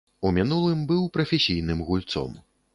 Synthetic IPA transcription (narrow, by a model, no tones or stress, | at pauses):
umʲinulˠɨmbɨwpɾɐfʲɛsʲijnɨmɣulʲt̪sɔ̰m